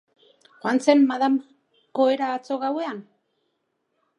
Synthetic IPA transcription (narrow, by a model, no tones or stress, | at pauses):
xwant͡se̞mːaðam | ko̞eɾaːt͡so̞ɣawe̞an